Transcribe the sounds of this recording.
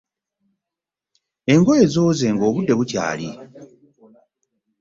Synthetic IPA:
e̞ŋɡo̞je̞zo̞ːze̞ŋɡo̞ːβudːe̞βuca̰ːli

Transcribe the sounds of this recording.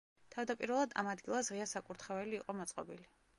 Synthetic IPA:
t̪ʰavd̪apʼiɾvɛlˠad̪a̰mad̪ɡilˠasʁiasakʼuɾt̪ʰχɛvɛliːqʼɔmat̪sʼqʼɔbili

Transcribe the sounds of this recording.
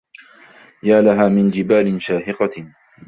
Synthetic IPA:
jaːlaɦaːmɪnd͡ʒɪbaːlɪnʃaːhɪqɑ

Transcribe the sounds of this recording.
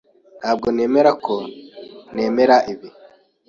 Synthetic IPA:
n̥haːb̚ɡo̞ne̞ːme̞ɾakʰo̞ | ne̞ːme̞ɾaʔiβi

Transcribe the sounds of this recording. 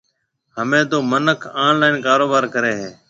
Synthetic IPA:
ɦəmẽːt̪oːmənəkʰaːnlaːɪnkaːɾoːbaːɾkəɾeːɦeː

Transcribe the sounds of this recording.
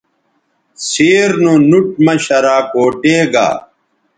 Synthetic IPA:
seːɾnunuʈ̚mɐɕɐɾaːkoːʈeːɡa̰ː

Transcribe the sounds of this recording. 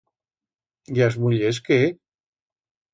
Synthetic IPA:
jazmuʎes̬ke

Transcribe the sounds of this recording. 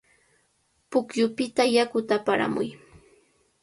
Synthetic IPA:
pʊkjʊpɪt̪ajakʊt̪apaɾa̰mʊ̰j

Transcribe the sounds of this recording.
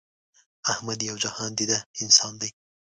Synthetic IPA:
ahmɐd̪jɐwd͡ʒɐhɑːnd̪id̪ɐɪnsɑːnd̪ɐj

